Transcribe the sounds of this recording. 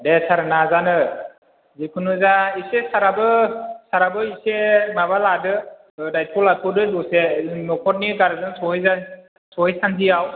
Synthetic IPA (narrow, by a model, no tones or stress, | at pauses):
desaɾɯnazanɯ | zikʰɯnɯzaisesaɾabɯsaɾabɯisemaβaladɯ | dajtʰulatʰɔdɯdusenɔkʰɔt̚niɡaɾɯzɯnsɔjza | sɔɦjsantʰiaw